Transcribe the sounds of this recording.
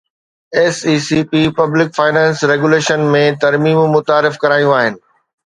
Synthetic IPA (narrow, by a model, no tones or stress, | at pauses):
eːsiːsiːpipɐblɪkfaːɪnɛ̃ːnsɾeːɡuleːʃənmẽt̪ɐɾmiːmmʊt̪aːɾɪfkɐɾaːjũaːɦɪnɪ̆